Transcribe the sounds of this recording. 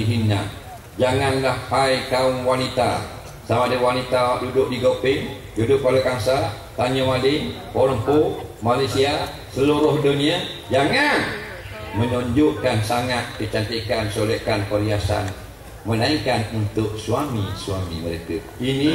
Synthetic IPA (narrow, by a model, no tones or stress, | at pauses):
iɦina̰ | d͡ʒaŋanlahhajkaʊŋwanit̪a̰ | samadəwanit̪adudʊʔ̚diɡopɪŋ | dudʊʔ̚palekaŋsa | t̪aɲəmadɪŋ | pɔɾəmpomalasia | səluɾʊhduniad͡ʒaŋan | mənɔɲd͡ʒʊʔkansaŋat̪̚kət͡ʃant̪ikansolɛkanpəɾiasa̰n | mənaikanunt̪ʊk̚suamisuamḭməɾekə | ini